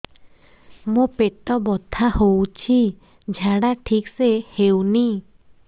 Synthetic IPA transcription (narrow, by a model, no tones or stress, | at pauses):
mopet̪ɔbɔt̪ʰahowt͡ɕʰi | d͡ʑʱaɽat̪ʰik̚sehewni